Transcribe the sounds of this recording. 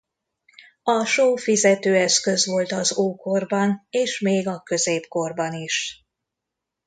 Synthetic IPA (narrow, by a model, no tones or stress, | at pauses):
ɒʃoːfizɛt̪øːɛskø̞zʋo̞lt̪ɒzoːko̞rbɒneːʃmeːɡɒkø̞zeːpko̞rbɒniʃ